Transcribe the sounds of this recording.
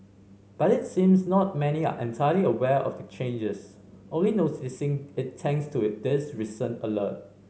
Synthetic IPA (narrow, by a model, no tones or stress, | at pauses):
b̥atɪtsĩmsnɔt̚mɛnia̰ʔɛ̃ntʰajəliəwɛʔɔ̰fdət͡ʃʰẽnd͡ʒəs | ʔõnlinotɪsɪ̃ŋɪtʰːɛ̃ŋstʰudɪsɹisə̃nələ̰t̚